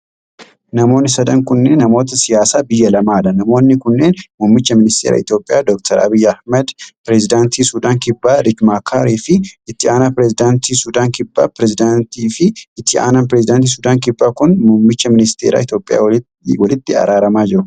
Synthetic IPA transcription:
nɐmo̞ːnːɪsɐd̪ɐŋkʊnːeːnːɐmo̞ːt̪̬ɐsɪjaːsaːbɪjːɐlɐmaːᶑɐnɐmo̞ːnːɪkʊnːe̞ːnmʊmːɪt͡ʃːɐmɪnɪst̪ʰeːɾɐ̰ɪt̪joːpʼːɪja̰ːd̪ɔk̚t̪ʰɐɾɐ̰bɪjːɐhmɛd̪pɪɾɛzɪd̪aːnt̪iːsʊd̪aːŋkɪbːaːɾɪd͡ʒmaːkʰaːɾiːfɪʔɪt̪ːɪaːnapɪɾɛzɪd̪aːnt̪iːsʊd̪aːŋkɪbːa̰ːpɾɛzɪd̪ant̪iːfɪʔːt̪ʰːɪa̰ːnɐnpɾɛzɪd̪ant̪̬iːs̬ʊd̪aːŋkɪbːaːkʊnmʊmːɪt͡ʃːɐmɪnɪst̪eːɾa̰ːɪt̪jo̞ːpʼɪja̰ː | wɐlɪt̪ːɪɐ̰ɾaːɾɐmaːd͡ʒɪɾʊ

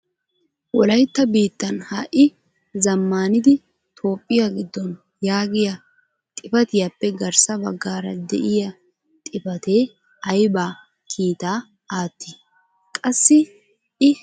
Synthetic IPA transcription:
wɔlɐjt̪ːɐbiːt̪ːɐnhɐʔɪ | zɐmːaːnɪd̪ɪ | t̪ʰo̞ːpʼːɪjaɡɪd̪ːɔn | jaːɡɪjɐ | t̪ʼɪfɐt̪ɪjapːɛɡɐɾsɐbɐɡːaːɾɐ̰d̪ɛ̰ʔɪjɐ | t̪ʼɪpɐt̪e̞ː | ɐjbaː | kʰiːt̪aː | aːt̪ːi | kʼɐsːɪ | ʔɪ

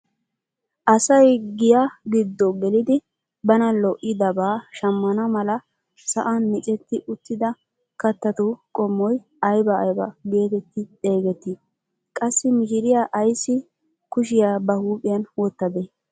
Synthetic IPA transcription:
ʔɐsɐjɡɪjaɡɪd̪ːɔɡɛlɪd̪ɪ | bɐnɐlɔʔːɪd̪ɐbaːʃɐmːɐnɐmɐlɐ | sɐʔanmɪt͡ʃʼɛt̪ːɪʔʊt̪ːɪd̪ɐ | kɐt̪ːɐt̪ukʼɔmːɔj | ɐjbɐːjbɐɡe̞ːt̪ɛt̪ːɪtʼe̞ːɡɛt̪ːɪ | kʼɐsːɪmɪʃɪɾɪjaʔɐjsːɪ | kʊʃ̬ɪjaːbɐhuːpʼɪjɐnwɔt̪ːɐd̪e

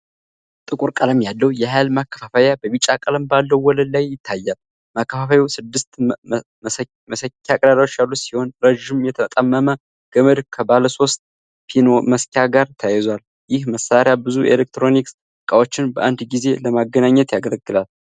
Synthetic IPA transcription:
t̪ʼɨkʼuɾkʼələmjalːəwjɛɦalmakːə̥fafajabəβit͡ʃʼːakʼələmbalːəwːɔləd̪lajːɪt̪ʰːajːal | makːəfafawiwsɨd̪ːɨst̪ | məsəkʲːakʼd̪ad̪awot͡ʃːjalːut̪sihonɾəʒɪmjɛt̪ʰət̪ʼamːəmə | ɡ̥əməd̪kʰəbaləso̞st̪ʼ | pʰinoməskʰjaɡaɾt̪ʰajɛzal | jɪhməsaɾjabɨzuḛlek̚t̪ɾoniks | kʼawot͡ʃːɪnbəʔand̪ɡize̞ləmaɡːənaɲːɛt̪jaɡələɡːɨlal

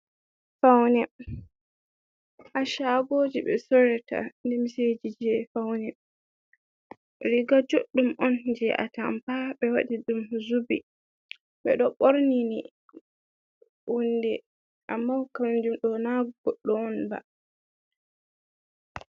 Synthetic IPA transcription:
fawnɛ | ʔaʃaɡoːd͡ʒiɓɛ̰sɔɾɛta̰ndɛmised͡ʒid͡ʒɛfawnɛ | ɾiɡad͡ʒoɗːumʔɔnd͡ʒɛʔa̰ta̰mpaɓɛwaɗiɗumzubḭ | ɓɛ̰ɗɔɓoɾnini | wundɛ | ʔamːawkamd͡ʒumɗɔnaɡɔɡ̥ɔɗːɔːnba̰

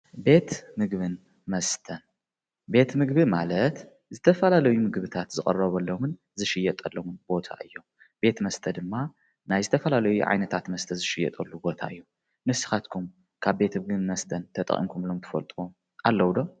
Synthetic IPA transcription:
be̞t̪mɨɡβɨn | mɐst̪ʰɐn | be̞t̪mɨɡbɨmalɐt̪ | zɨt̪ʰɐfɐlalɐjumɨɡβɨt̪ʰat̪zɨkʼɐ̰rɐβɐlːomɨn | zɨʃɪjɐt̪ʼɐlːowunbo̞t̪ʰa̰ʔɨjːo̞m | be̞t̪mɐst̪ʰɐd̪ɨmːa | najzɨt̪ʰɐfɐlalɐjṵʕa̰jnɐt̪ʰat̪mɐst̪ʰɐzɨʃɪjɛ̰t̪ʼɐ̰lːubo̞t̪ʰa̰ʔɨjːu | nɨsɨ̥xat̪kʰum | kʰaβbe̞t̪mɨɡɨnmɐst̪ʰɐnt̪ʰɐt̪ʼɐ̰χʼḭmkʰumlomt̪ʰɨ̥fɐ̰lt̪ʼwom | ʔalːɐwd̪o

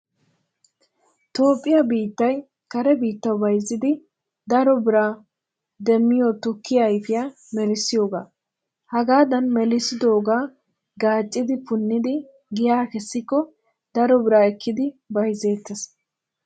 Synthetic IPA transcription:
t̪o̞ːpʼːɪjɐbiːt̪ːɐj | kɐɾɛbiːt̪ːɐwbɐjzːɪd̪ɪ | d̪ɐɾɔbɪɾaː | d̪ɛmːɪjot̪ʊkːɪjɐjfɪja | mɛlɪsːɪjo̞ːɡa̰ː | hɐɡaːd̪ɐnmɛlɪsɪd̪o̞ːɡaː | ɡaːt͡ʃʼːɪd̪ɪpʊnːɪd̪ɪ | ɡɪjaːkɛsːɪkːɔ | d̪̥ɐɾɔbɪɾaːɛkːɪd̪ɪbɐjze̞ːt̪ːɛs

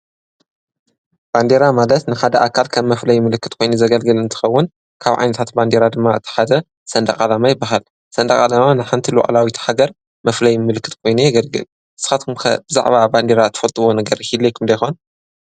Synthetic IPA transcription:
b̥and̪e̞ɾamalɐt̪nɨxad̪ɐʔakʰalkʰɐmːɐflɐjmɨlɨkːɨt̪kʰo̞jnuzɐɡɐlɡɨlɨnt̪ʰɨ̥xɐwːʊn | kʰaβʕa̰jnɐt̪ʰat̪band̪eɾad̪ɨmːaɨt̪ʰːɨ̥ħad̪ɐ | sɐnd̪ɐkʼalamajɪbːaɦal | sɐnd̪ɐkʼalamanajħant̪ʰiluwa̰ʔʼlawit̪ʰħaɡɐɾ | mɐflɐjmɨlɨkːɨ̥t̪kʰo̞jnujɛɡɐlɡɨ̰l | ʔɨsɨ̥xat̪kmkʰɐ̰b̥ɨza̰ʕβaband̪eɾat̪ʰɨ̥fɐlt̪ʼɨwo̞nɐɡɐɾɨhilojkʰɨmd̪ɐjxon

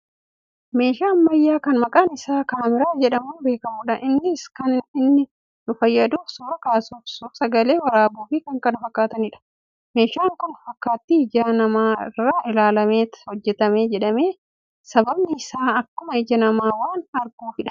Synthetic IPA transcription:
me̞ːʃaːnmɐjːaːkɐnmɐkʼaːnɪsaːkaːmɪɾaːd͡ʒɛᶑɐmuːbe̞ːkɐmuːᶑɐʔɪnːɪskɐnɪnːɪ | nʊfɐjːɐd̪uːfsuːɾɐkaːsuːfsuːsɐɡɐle̞ːwɐɾaːbuːfɪkɐŋkɐnfɐkːaːt̪ɐnɪᶑɐ̥ | me̞ːʃaːŋkʊnfɐkːaːt̪ːɪɪd͡ʒaːnɐmaːɪ̰rːaːʔɪlaːlɐmeːt̪hɔd͡ʒːɛt̪ɐme̞ːd͡ʒɛᶑɐmeː | sɐbɐbnɪːsaːɐkːʊmɐɪd͡ʒɐnɐmaːwaːnɐɾɡuːfɪᶑɐ̥

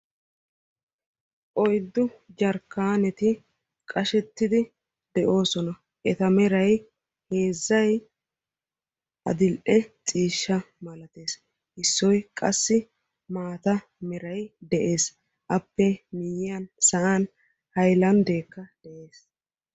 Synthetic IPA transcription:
ʔɔjd̪ːʊd͡ʒɐɾkːaːnɛt̪ɪ | kʼɐʃɛt̪ːɪd̪ɪ | d̪̥ɛʔo̞ːsɔnɐ | ʔɛt̪ɐmɛɾɐj | he̞ːzːɐj | ɐ̰d̪ɪlʔɛt͡sʼiːʃːɐ | mɐlɐt̪e̞ːs | hɪsːɔjkʼɐsːɪ | maːt̪ɐ | mɛɾɐjd̪ɛʔe̞ːs | ʔɐpːɛmɪjɪɐnsɐʔaːn | hɐjlɐnd̪e̞ːkːɐd̪̥ɛʔeːs

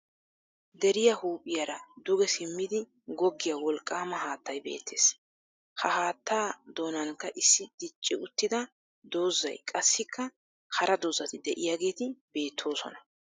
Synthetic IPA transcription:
d̪ɛɾɪjɐhuːpʼɪjɐɾɐd̪ʊɡɛsɪmːɪd̪ɪ | ɡɔɡːɪjɐwɔlkʼːaːmɐhaːt̪ːɐjbe̞̰ːt̪ʰːe̞̰ːs | hɐhaːt̪ːaːd̪o̞ːnɐnkːɐʔɪsːɪd̪̥ɪt͡ʃʼːɪʊt̪ːɪd̪ɐ | d̪o̞ːzːɐ̰jkʼɐsːɪkʰːɐ | hɐɾʔɐd̪o̞ːzɐt̪ɪd̪ɛʔɪjaɡe̞ːt̪ɪbe̞ːt̪ʰːo̞ːsɔ̰nɐ

